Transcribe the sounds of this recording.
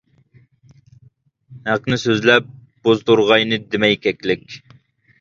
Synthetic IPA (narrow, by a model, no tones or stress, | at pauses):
hæqnɨsøzlɛp̚ | b̥ozd̪uɾʁɑjnɨd̪ɪmɛjkʲʰɛkʲlɪkʲ